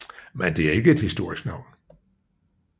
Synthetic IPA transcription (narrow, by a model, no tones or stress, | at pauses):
mend̥e̝æɐe̝ɡ̥əe̝d̥hisd̥o̝ɐ̰isɡ̥nɑ̈ʊ̰n